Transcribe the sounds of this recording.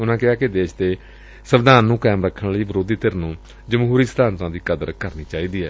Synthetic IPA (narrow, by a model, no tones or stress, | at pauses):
ʊnãːkɪaːkɪd̪eːʃt̪eː | səʋd̪aːnːũːkɛːmɾəkʰːəɳləiːʋəɾoːd̪iːt̪ɪɾnũː | d͡ʒəmɦuːɾiːsəd̪aːnt̪ãːd̪iːkəd̪əɾkəɾniːt͡ʃaːiːd̪iːɦɛː